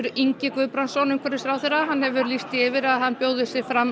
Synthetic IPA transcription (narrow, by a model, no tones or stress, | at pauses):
ɾiɲcɪkvʏðpɾansɔnʏmkʰɛɾɪsθɾaːwθɛɾaɦanːhɛvʏɾlist̪ɪɪvɪɾaðhanːpjoːwðʏsɪ̥fɾam